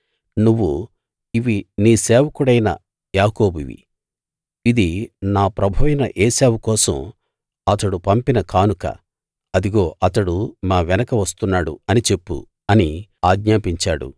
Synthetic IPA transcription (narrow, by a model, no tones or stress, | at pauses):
nuʋːu | iʋiniːsɛːʋɐkuɽɐjnɐ̰ | jaːkoːbḭʋḭ | id̪inaːpɾɐbʱɐʋɐjnɐʔɛːsaːwukɔːsɐ̰m | ɐt̪ɐɽupɐmpinɐkaːnukɐ̰ | ɐd̪iɡo̞ːʔɐt̪ɐɽumaːʋɛnɐkɐʋɐst̪unːaːɽṵɐnit͡ʃe̞pːṵ | ɐniaːɡɲaːpiɲt͡ʃaːɽṵ